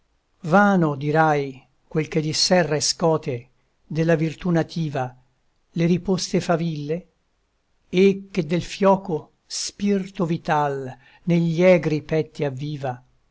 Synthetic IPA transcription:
vaːnod̪iɾaj | kwelked̪isɛrːaeskɔːt̪e | d̪elːavirt̪unat̪ʰiːva | leɾipost̪efavilːe | ekːed̪ːelfjɔːko | spirt̪ovit̪al | neʎːiɛɡɾipɛt̪ːiavːiːva

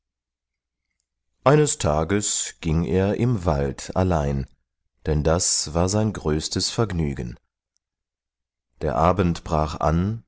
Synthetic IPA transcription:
ʔaɪnəstʰaːɡəsɡ̥ɪŋeːɐʔɪmvaltʰa̰laɪn | d̥ɛndasv̥aːɐzaɪnɡʁøːstəsfɛɐɡny̰ːɡən | d̥eːɐʔaːbən̩tb̥ʁaːχʔa̰n

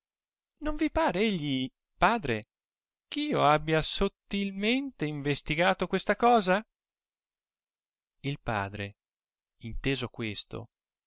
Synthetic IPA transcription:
noɱvipaːɾeeʎːi | paːd̪ɾe | kiːoabːjasot̪ːilment̪eiɱvest̪iɡaːt̪okwest̪akɔːza | ilpa̰ːd̪ɾe | int̪eːzokwest̪o̰

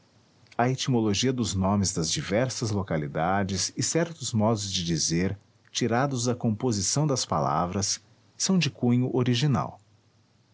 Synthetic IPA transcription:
ɐet͡ʃimoloʒiɐd̪ʊznõmɪzd̪ɐzd͡ʒivɛɾsɐzlokalid̪ad͡ʒɪsɪsɛɾt̪ʊzmɔd̪ʊzd͡ʒɪd͡ʒizeɾ | t͡ʃiɾad̪ʊzd̪ɐkõmpozisɐ̃w̃d̪ɐspa̰la̰vɾɐsː | ɐ̃w̃d͡ʒɪkũɲʊʔoɾiʒina̰w

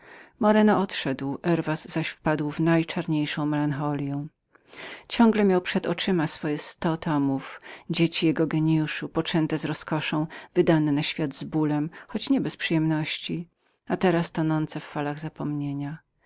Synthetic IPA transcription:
mɔɾɛnɔɔt̪ʂɛd̪wʔɛɾvasz̥aɕfpad̪wvnajt͡ʂaɾɲejʂɔ̃w̃mɛlanxɔlʲjɛw̃ | t͡ɕɔ̃ŋɡlɛmʲjawpʂɛd̪ɔ̰t͡ʂɘmasfɔjɛst̪ɔt̪ʰɔmufd͡ʑet͡ɕijɛɡɔɡɛɲijuʂupɔt͡ʂɛnt̪ɛzɾɔskɔʂɔ̃w̃vɘd̪anɛnaɕfʲjad̪zbulɛmxɔt͡ɕɲɛbɛspʂɨjɛmnɔɕt͡ɕi | at̪ɛɾast̪ɔnɔnt̪sɛfːalaɣzapɔmɲeɲa

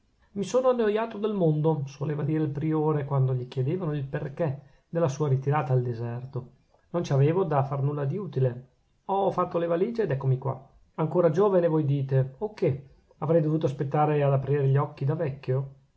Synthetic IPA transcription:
misoːnoanːojaːt̪od̪elmond̪oswoleːvad̪iːɾelpɾioːɾekwand̪oʎikjed̪eːvanoilperke | d̪elːasuːaɾit̪iɾaːt̪aːld̪ezɛrt̪o | nont͡ʃaveːvod̪afarnulːad̪iuːt̪ile | ɔfat̪ːolevaliːd͡ʒeːd̪ɛkːomikwa̰ | aŋkoːɾad͡ʒoːvenevojd̪iːt̪eokːe | avɾɛjd̪ovuːt̪oaspet̪ːaːɾead̪apɾiːɾeʎːɔkːid̪avɛkːjo

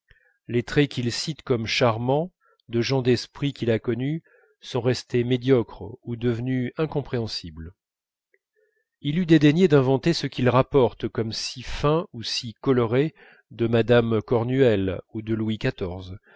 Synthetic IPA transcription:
let̪χɛkʲilsit̪kɔmʃaʁmɑ̃ | d̪əʒɑ̃d̪ɛspχikʲilakɔny | sɔ̃ʁɛst̪emed̪jɔkχud̪əvnyɛ̃kɔ̃pχeɑ̃sibl | ilyd̪ed̪enjed̪ɛ̃vɑ̃t̪esəkʲilʁapɔʁt̪kɔmsifɛ̃usikɔlɔʁe | d̪əmad̪amkɔʁnyɛlud̪əlwikat̪ɔʁz

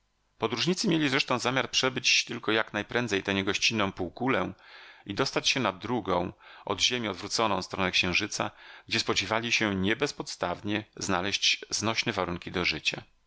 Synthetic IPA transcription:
pɔd̪ɾuʐɲit̪sɘmʲjelʲizɾɛʂt̪ɔ̃w̃zamʲjaɾpʂɛbɘt͡ɕt̪ɘlkɔjaknajpɾɛ̃nd̪zɛjt̪ɛɲɛɡɔɕt͡ɕinːɔ̃w̃puwkulɛid̪ɔst̪at͡ɕɕɛnad̪ɾuɡɔ̰̃w̃ɔ̰d̪ʑemʲiɔd̪vɾut̪sɔnɔ̃w̃st̪ɾɔnɛkɕɛ̃w̃ʐɘt̪sa̰ɡd͡ʑɛspɔd͡ʑivalʲiɕɛɲɛbɛspɔt̪st̪avɲɛznalɛɕt͡ɕznɔɕnɛvaɾuŋkʲid̪ɔʐɘt͡ɕa̰

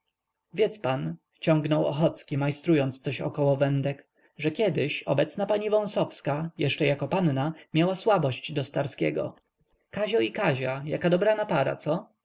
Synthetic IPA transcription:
vʲjɛt̪span | t͡ɕɔŋɡnɔwɔ̰xɔt̪skʲimajst̪ɾujɔnt̪st̪sɔɕɔ̰kɔwɔvɛnd̪ɛk | ʐɛkʲɛd̪ɪɕɔ̰bɛt̪snapaɲivɔ̃w̃sɔfskajɛʂt͡ʂɛjakɔpannamʲjawaswabɔɕt͡ɕd̪ɔst̪aɾskʲɛ̰ɡɔ̰ | kaʑɔikaʑaja̰kad̪ɔbɾanapaɾa̰t̪sɔ

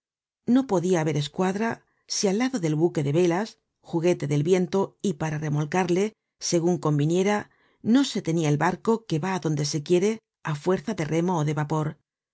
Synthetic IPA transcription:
no̞po̞ðiaːβe̞ɾe̞skwaðɾa | sialːaðo̞ðe̞lβuke̞ðe̞βe̞las | xuɣe̞t̪e̞ðe̞lβje̞nt̪o̞ipaɾare̞mo̞lkaɾle̞ | se̞ɣ̞uŋko̞mbinje̞ɾa | no̞se̞t̪e̞niaelβaɾko̞ke̞βaːðo̞nd̪e̞se̞kje̞ɾe̞ | afwe̞ɾθaðe̞rʔe̞mo̞ːðe̞βapo̞ɾ

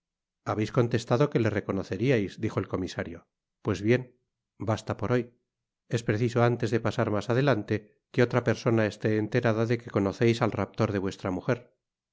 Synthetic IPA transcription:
aβe̞jsko̞nt̪e̞st̪aðo̞ke̞le̞re̞ko̞no̞θe̞ɾiajzd̪ixo̞elko̞misaɾjo̞ | pwe̞zβje̞n | bast̪apo̞ɾo̞j | e̞spɾe̞θiso̞ant̪e̞zðe̞pasaɾmasað̞e̞lant̪e̞ | keo̞t̪ɾape̞ɾso̞nae̞st̪e̞ːnt̪e̞ɾaðaðe̞keko̞no̞θejsalrap̚t̪o̞ɾðe̞βwe̞st̪ɾamuxeɾ

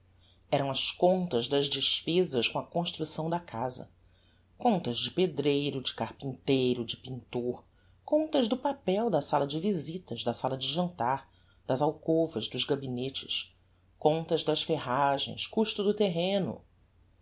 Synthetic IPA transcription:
ɛɾɐ̃w̃ɐskõnt̪ɐzd̪ɐzd͡ʒɪʃpezɐskõɐkõʃt̪ɾusɐ̃w̃d̪ɐkʰazɐ̰ | kõnt̪ɐzd͡ʒɪped̪ɾejɾʊd͡ʒɪ̥kahpĩnt̪ejɾʊd͡ʒɪpĩnt̪oɾ | kõnt̪ɐzd̪ʊpapɛwd̪ɐsalɐd͡ʒɪvizit̪ɐzd̪ɐsalɐd͡ʒɪʒɐ̃nt̪aɾ | d̪̥ɐzawkovɐzd̪ʊzɡabinet͡ʃɪ̥ʃ | kõnt̪ɐzd̪ɐsfeɦaʒḛ̃j̃skuʃt̪ʊd̪ʊt̪eɦẽnʊ̰

